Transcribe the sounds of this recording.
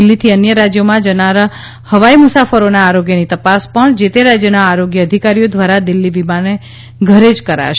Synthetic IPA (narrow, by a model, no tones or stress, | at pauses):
lːit̪ʰiənjəɾad͡ʒjomãd͡ʒənaɾ | həʋaimusafəɾonaːɾoɡjənit̪əpaspəɳd͡ʒet̪eɾad͡ʒjənaːɾoɡjəːd̪ʱikaɾijod̪ʋaɾad̪ɪlːiʋimane | ɡʱəɾed͡ʒkəɾa̰ʃ